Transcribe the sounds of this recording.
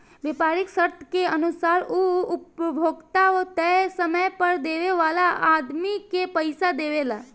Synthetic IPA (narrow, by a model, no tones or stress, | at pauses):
ʋeːpaːɾɪksəɾt̪ʰkeənʊsaːɾuʊpəbʱoːɡt̪aot̪ɛsəməjpəɾd̪eːʋeʋaːlaʔaːd̪mikepəɪsad̪eːʋelaː